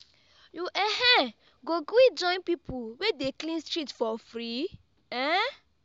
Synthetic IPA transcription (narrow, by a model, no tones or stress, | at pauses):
juʔɛɦɛ | ɡoɡid͡ʒɔ̃ɪ̃npipʰuwedeklĩnstɹitfɔfɾi | ɛ̃